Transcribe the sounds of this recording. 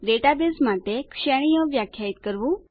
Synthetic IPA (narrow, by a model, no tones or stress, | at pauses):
ɖeʈabesmaːt̪ekʃeɽ̃ijõʋjaːkʰjaːit̪̚kəɾʋu